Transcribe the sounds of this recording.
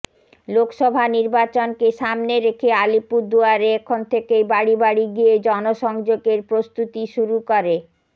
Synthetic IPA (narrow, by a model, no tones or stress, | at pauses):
lokʃɔbʱaniɾbat͡ɕonkeʃamneɾekʰealipuɾd̪uaɾeɛkʰont̪ʰekebaɽibaɽiɡijed͡ʑɔnoʃɔŋd͡ʑoɡeɾpɾost̪ut̪iʃuɾukoɾe